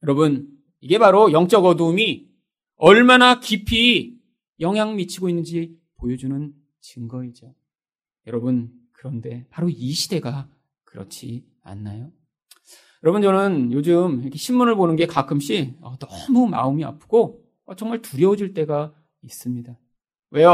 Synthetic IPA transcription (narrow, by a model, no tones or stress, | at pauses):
jʌɾʌbɯn | iɡe̞baɾojʌŋt͡ɕ͈ʌɡʌdumi | ʌɭmanakipʰi | jʌŋɦjaŋmit͡ɕʰiɡoinːɯnd͡ʑi | pojʌd͡ʑunɯn | t͡ɕɯŋɡʌid͡ʑo | jʌɾʌbɯn | kɯɾʌnde̞paɾoiɕʰide̞ɡa | kɯɾʌ̰t͡ɕʰi | a̰nːajo | jʌɾʌbunt͡ɕʌnɯnjod͡ʑɯmjʌkʰeɕʰinmːunɯɭbonɯnɡe̞kakʰɯmɕ͈iʌtʌmuma̰ɯmia̰pʰɯ̥ɡ̥o | ʌt͡ɕʌŋmaɭtuɾjʌod͡ʑiɭt͈e̞ɡa | is͈ɯmɲida | we̞j